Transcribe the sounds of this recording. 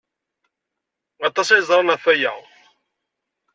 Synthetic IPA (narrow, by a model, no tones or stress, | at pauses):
ɑt̪ːˤɑsæjzˤɾˤɑnæθæja̰ʁ